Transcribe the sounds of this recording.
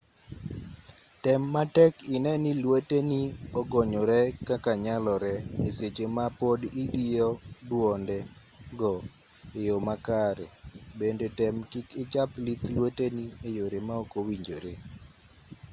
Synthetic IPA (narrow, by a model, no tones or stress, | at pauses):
tɛmːatɛkɪnɛnilweteniɔɡɔɲɔɾɛkakaɲalɔɾɛeset͡ʃemapodidiɔdwɔndɛ | ɡɔ | ejomakaɾebendetɛmkɪkɪt͡ʃaplit̪lweteniejoɾemaokowiɲd͡ʒoɾe